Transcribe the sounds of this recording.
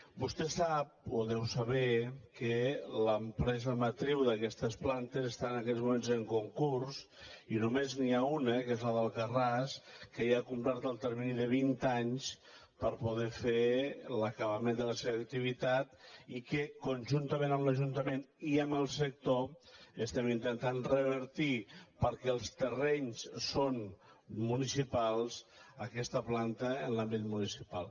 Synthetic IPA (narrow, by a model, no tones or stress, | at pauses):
bust̪ɛsap̚oðɛwsəβɛkələmpɾɛzəmat̪ɾiwðəkɛst̪əsplant̪əzəst̪aənəkɛzmumenzəŋkuŋkursinumezniaunəkezləðəlˠkəraskəjakumplaɾt̪əlˠt̪əɾminiðəβint̪aɲs | pəɾpuðɛfeləkəβəmend̪ələseβək̚t̪iβit̪at̪ikəkunʲʒunt̪əmẽnəmləʒunt̪əmeniəməlˠsək̚t̪oəst̪ɛmint̪ənt̪anrəβ̞əɾt̪ipəɾkɛəlˠst̪ərɛɲssonmunisipalˠzəkɛst̪əplant̪əːnlambit̪munisipalˠ